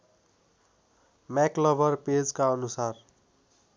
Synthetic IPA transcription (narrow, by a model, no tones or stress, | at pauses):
maklʌbʱʌrped͡zkaʌnusar